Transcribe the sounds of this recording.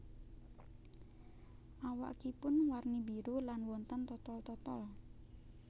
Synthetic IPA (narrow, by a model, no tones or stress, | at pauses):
ʔawa̰kipʊnwarnibiɾulanwɔnt̪ənt̪ɔt̪ɔlt̪ɔt̪ɔl